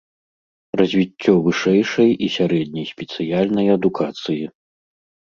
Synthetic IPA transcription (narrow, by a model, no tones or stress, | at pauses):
rɐzʲvʲitʲːɔvɨʂɛjʂɐjisʲaɾɛd̪ʲnʲɐjsʲpʲɛt̪sɨjalʲnɐjɐd̪ukʰat̪sɨji